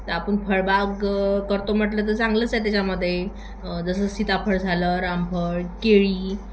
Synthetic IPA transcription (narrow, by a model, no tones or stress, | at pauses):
t̪əapəɳpʰəɭbaɡkəɾt̪om̤əʈlət̪əsãŋɡlət͡sat̪̬jat͡ɕaməd̪ʱːje | d͡zəsəːt͡ssit̪apʰəɽd͡zʱaləɾampʰəɭkeɭiː